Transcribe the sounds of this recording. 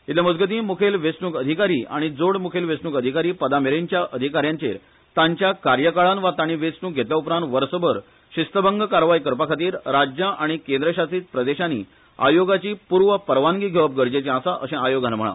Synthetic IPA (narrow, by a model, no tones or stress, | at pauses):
it̪leməd͡zɡət̪̬ĩːmukʰelʋesnuːkəd̪ʱikaɾiːʔa̰ɽ̃id͡zoɽmukʰelʋesnuːkəd̪ʱikaɾiːpəd̪ameɾeɲt͡ɕjaʔəd̪ʱikaɾjãɲt͡ɕeɾ | t̪ãɲt͡ɕjakaɾjəkaɭanʋat̪aɽ̃iʋesnuːk̚ɡʱet̪ljaupɾãnt̪ʋəɾsəbəɾ | ɕist̪əbəŋɡkaɾʋajkəɾpakʰat̪iːɾɾad͡ʑjaʔaɽ̃ikẽnd̪ɾəɕat͡siːt̪̚pɾəd̪eɕaniː | a̰joɡat͡ɕiːpuɾʋəpəɾʋaŋɡiːɡʱeʋəp̚ɡəɾd͡ʑet͡ɕẽãsaʔəsẽajoɡãnm̤əɭa̰